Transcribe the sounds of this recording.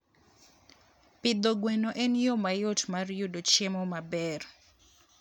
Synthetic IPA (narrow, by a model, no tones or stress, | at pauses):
pɪd̪oɡwenoʔɛnjomajotmarjudot͡ʃɪmɔmabɛr